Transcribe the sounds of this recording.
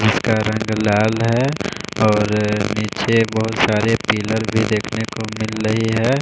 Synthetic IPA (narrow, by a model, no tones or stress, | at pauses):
d͡ʒɪskaɾɐ̃ŋɡlaːlɦɛɔːɾniːt͡ʃebəɦʊt̪saːɾepiːləɾbʱid̪eːkʰnekomɪlɾəɦiɦɛː